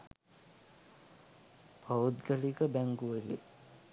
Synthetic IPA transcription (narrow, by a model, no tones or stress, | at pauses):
pʰaud̪ɡəlikəbæŋɡuʋəɡḛ